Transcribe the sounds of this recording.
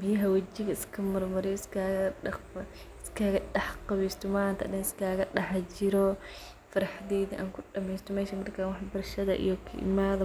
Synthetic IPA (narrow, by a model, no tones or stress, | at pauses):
bɪjɐɦɐwɐt͡ʃɪɣɐɪskʰɐmɐrmɐɾɪjɪskʰaːɣɐɗɐχbɐ | ɪskʰaːɣɐɖɑħqɑβiːst̪ʰɔmaːnt̪ʰɐʔdɐnɪskʰaːɣɐɗɐħt͡ʃɪɾɔ | fɐɾɐħd̪iːðiʔa̰ːŋkʰʊɖɐmɛjst̪ʰɔmɛːʃɐmɐrkʰaːnwɑħbɐrʃɐðɐ̰ʔḭjɔkʰɐʔɪ̰maːðɐ